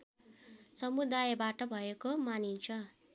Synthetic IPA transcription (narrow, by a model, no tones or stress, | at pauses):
sʌmud̪ajbaʈʌbʱʌekomanint͡sʰʌ